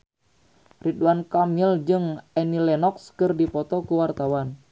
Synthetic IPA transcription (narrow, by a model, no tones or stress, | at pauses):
riduankamild͡ʒɨŋɛnilɛnɔkskɨrdipɔt̪ɔkuwart̪awan